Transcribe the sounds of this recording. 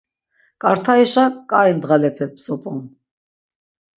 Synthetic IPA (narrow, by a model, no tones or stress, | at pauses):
kʼaɾt̪ʰaɛʃakʼajnd̪ʁalɛpʰɛp̚ʰt͡sʼɔpʼɔm